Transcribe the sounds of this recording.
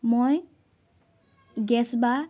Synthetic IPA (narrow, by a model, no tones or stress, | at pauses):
moj | ɡɛsba